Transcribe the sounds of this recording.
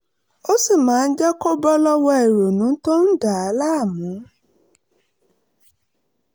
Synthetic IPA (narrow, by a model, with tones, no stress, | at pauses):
o˦si˦˨mãː˨˦n̩˦d͡ʒɛ˦ko˦bɔ˦lɔ˦wɔ˧ɛ˨ɾo˨nũ˨˦tõ˦n̩˦da˨a˨˦la˦a˦˨mũ˨˦